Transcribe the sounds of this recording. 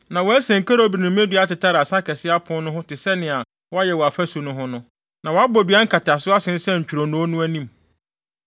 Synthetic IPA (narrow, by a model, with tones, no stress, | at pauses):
nã˨wɔ˨˦æ˦sɛ̃˨ŋ̩˨ka˦ɾa˨˦bi˨nʊ̃˨m˦ẽ˦dɥa˦tɪ˨tʰa˦ɾɪ˨a˨sa˦kʰɛ˨sɪ˦a˦pʰʊ̃˦nʊ̃˦ɦʊ̃˦tɪ˨sɛ˦nɪ̃˨a˨ | wɔ˦a˦jɛ˨wɔ˨a˨fæ˦su˨nʊ̃˦ɦʊ̃˦nʊ̃˦ | nã˨wɔ˨a˦bɔ˨dɥa˦ŋ̩˦kʰa˨tʰa˨sɪ˦a˦sɪ̃˨n̩˦sɛ˦ɲ̩˨t͡ɕᶣu˨ɾo˨nʊ̃˦o˦nʊ̃˦æ˦nĩ˦˨m